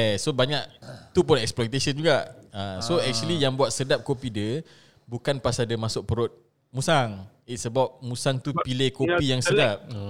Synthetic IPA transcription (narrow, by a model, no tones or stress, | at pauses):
sobaɲaʔt̪upʊnɛksplɔjt̪esənd͡ʒuɡaʔasoɛk̚t͡ʃuəlijaŋbuat̪̚sədap̚kopidə | bukanpasadamasʊk̚pəɾʊt̪̚ | mũsaŋ | it̪̚səbap̚musaŋt̪upilekopijaŋsədap̚